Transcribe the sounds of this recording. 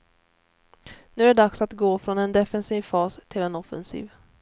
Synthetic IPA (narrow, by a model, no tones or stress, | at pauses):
nʉ̟æɛɖaksat̪ɡoːfɾɔnɛnd̪ɛfɛnsiːvfɑːst̪ʰɪlɛnɔfɛ̰nsḭːv